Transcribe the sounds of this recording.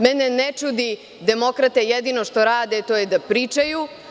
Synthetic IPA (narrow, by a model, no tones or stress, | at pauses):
mɛnenet͡ʃud̪i | d̪e̞mo̞kɾat̪ejed̪ino̞ʃt̪o̞ɾaːd̪et̪oːjed̪apɾiːt͡ʃaju